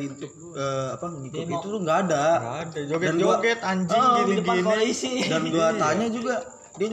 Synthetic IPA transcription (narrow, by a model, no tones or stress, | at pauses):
int̪ʊk | əapaməŋikʊt̪it̪uɾʊŋɡaːda | ɡdand͡ʒuakt̪aɲd͡ʒədiɡasaaisɪdanɡuat̪aɲad͡ʒuɡa | dia